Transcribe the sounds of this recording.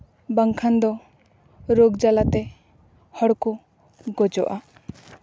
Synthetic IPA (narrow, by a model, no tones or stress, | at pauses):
baŋkʰand̪ɔ | ɾoɡd͡ʒalat̪ɛ | hɔɽku | ɡɔd͡ʒɔ̰ʔa